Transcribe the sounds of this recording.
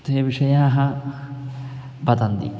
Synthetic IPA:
t̪eːɐʋiʂɐjaːɦɐ | bɐt̪ɐnd̪ḭ

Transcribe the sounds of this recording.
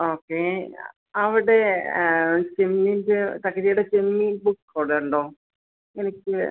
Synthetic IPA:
oːkːe | ɐʋiɽe̞ | t͡ɕemːindet̪ɐkːɐtijuɽet͡ɕemːibukːoːɽuɳɖoː | enikʲːɨ

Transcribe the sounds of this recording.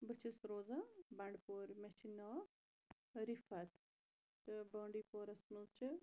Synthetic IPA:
bɨt͡ʃʰisɾoːzɐ̃bɐɳɖpoːɾmet͡ʃinɔː | ɾifɐt̪ | t̪ɨbəːɳɖiːpoːɾɐsməzt͡ʃɨ

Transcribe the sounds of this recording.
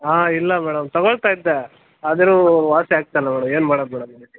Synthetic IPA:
aːilːɐmɛːɽɐmt̪ɐɡoɭt̪aːid̪ːe | ɐd̪ɐɾuːʋaːsiaːɡ̚t̪ajlːɐmɛːɽɐme̞ːnumaːɽod̪mɛːɽɐm

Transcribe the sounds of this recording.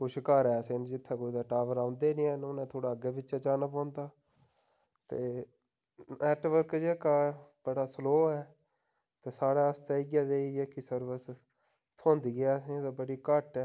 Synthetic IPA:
kʊt͡ʃʰkaːɾɛːsend͡ʒɪt̪ʰːẽːkoːid̪aːʈaːʋəɾãːʊnd̪eːnĩːɛːnʊnẽːt̪ʰoːɽaːəɡeːbɪt͡ʃɛːt͡ʃaːnaːpãːnd̪aː | t̪eː | nɛːʈʋəɾkd͡ʒeːkaːbəɽaːsloːɛː | t̪eːsaːɽaːəst̪aːɪɡjaːd̪eːiːd͡ʒeːkisəɾʋəs | t̪ʰõːnd̪iːɡeɛːsẽt̪ãbəɽiːkəʈɛː

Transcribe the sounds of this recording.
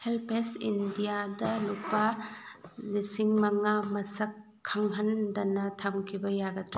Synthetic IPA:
helpʰesindijadɐlupa | lisiŋmɐŋamɐsɐkʰː | aŋɦɐndɐnɐtʰɐmkʰibɐjaɡɐtɾa

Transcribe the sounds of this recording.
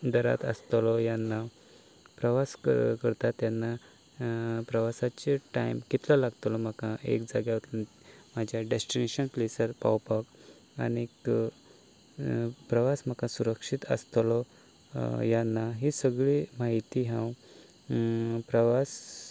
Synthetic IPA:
d̪əɾa̰t̪ə̰st̪lɔjanːa | pɾəʋaskəɾt̪at̪ːjanːa | pɾəʋasat͡ɕeʈajmkit̪lalaɡt̪lɔm̤akãʔḛkd͡zaɡjat̪l | m̤ad͡ʑʱjaɖesʈineɕənplesəɾpa̰wpak | a̰nik | pɾəʋasm̤akãsuɾəkʂit̪ə̰st̪lɔ | janːaɦisəɡɭimaɦit̪iɦãw | pɾəʋas

